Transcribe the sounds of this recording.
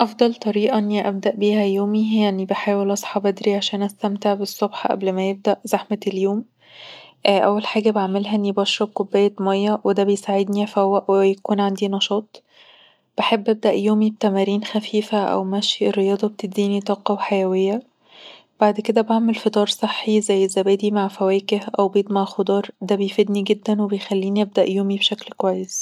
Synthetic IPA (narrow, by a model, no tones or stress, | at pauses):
ʔɑfd̪ˤɑlt̪ˤɑɾiːʔɑʔenːiʔæb̚d̪æʔbiːɦæjoːmijanːibeħaːwelʔɑsˤħɑbæd̪ɾiʕaʃæːnʔæst̪æmt̪eʕbesˤːobħɑʔæ̰blmæjeb̚d̪æʔzaħmeeljoːm | ʔʔæ̰wːælħaːɡæbeʕmelɦæʔenːibɑʃɾˤɑb̚kobːæjːæmɑjːɑwed̪æbejsaʕed̪niʔæfæwːæʔwejækuːnʕand̪inɑʃɑːt̪ˤ | b̥eħebːʔæb̚d̪æʔjoːmib̚t̪æmæɾiːnxæfiːfæʔæ̰wmæʃierːejɑːd̪ˤɑb̚t̪ed̪iːnit̪ˤɑːqɑwħajæwejːæ | b̥aʕd̪ked̪æbaʕmelfet̪ˤɑːɾˤsˤeħːizæjːzæbæːd̪imaʕfæwæːkehʔæwbiːd̪maʕxod̪ˤɑːɾˤd̪æbejfed̪niɡed̪ːænwebejxælːiːniʔæb̚d̪æʔjoːmibʃæklkwæjːes